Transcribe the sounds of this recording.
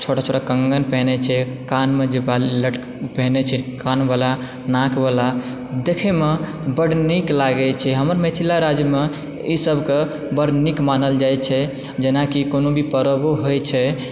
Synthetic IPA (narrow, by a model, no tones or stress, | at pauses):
t͡ʃʰoʈat͡ʃʰoʈakəŋɡənpɛɦnet͡ʃʰɛkanmed͡ʒebaliləʈ | pɛɦnet͡ʃʰɛkanbala | nãkʰbala | d̪ekʰeme | bəɽniklaɡɛt͡ʃʰɛɦəməɾmet̪ʰilaɾad͡ʒjəme | isəbʱke | bəɽnikmanəld͡ʒajt͡ʃʰɛ | d͡ʒenakikonobʱipəɾəboɦojt͡ʃʰɛ